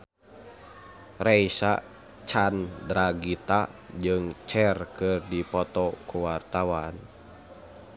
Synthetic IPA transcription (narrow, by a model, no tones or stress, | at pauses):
rɛisa | t͡ʃandɾaɡit̪ad͡ʒɨŋt͡ʃɛrkɨrdipɔt̪ɔkuwart̪awan